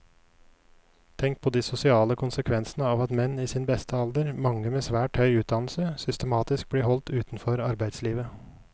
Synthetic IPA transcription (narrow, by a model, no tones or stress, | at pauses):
t̪ʰɛŋk̚pʰoːd̪iːsʊsɪɑːləkʰʊnsəkʰʋɛnsn̩əɑːʋɑt̪mɛniːsiːnbɛst̪ʰəɑld̪əɾmɑŋːəmeːsʋæːʈhœʏʉːt̪̚d̪ɑnl̩səsʏst̪əmɑːt̪ɪsk̚bliːhɔlt̪ʉːt̪n̩fɔɾɑɾbæɪd̪sliːʋə